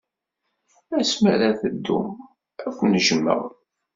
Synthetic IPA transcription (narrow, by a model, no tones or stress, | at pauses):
æsməɾæθəd̪ːṵm | ækʷnʒəmːə̰ʁ